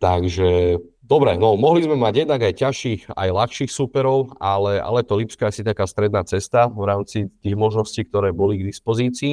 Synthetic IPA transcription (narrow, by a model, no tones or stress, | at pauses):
t̪aɡʒɛ | d̪ɔbɾɛ̰nɔmɔɦlizmɛmaɟjɛd̪naɡajcaʃiːxa̰jlaxʃiːxsuːpɛɾɔʊalɛa̰lɛt̪ɔlipskɔasiɲakaːst̪ɾɛd̪naːt͡sɛst̪avɾaːmt͡sit̪iːɣmɔʒnɔsciːk̚t̪ɔɾɛːbɔliɡd̪ispɔziːt͡siː